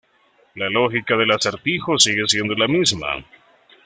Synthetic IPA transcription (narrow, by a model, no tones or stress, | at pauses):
lalo̞xikaðe̞laseɾt̪ixo̞siɣe̞sje̞nd̪o̞lamizma̰